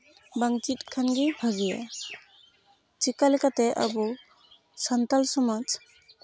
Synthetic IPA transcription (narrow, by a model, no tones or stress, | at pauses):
baŋt͡ʃit̪̚kʰanɡibʱaɡija̰ | t͡ʃikalɛkat̪ɛʔa̰bu | sant̪alsɔmad͡ʒ